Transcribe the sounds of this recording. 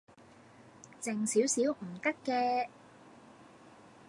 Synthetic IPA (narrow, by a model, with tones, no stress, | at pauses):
t͡sɪ˨ŋsi˨˥wsiː˨˥wm̩˨˩t̪ɐ˥kːɛː˧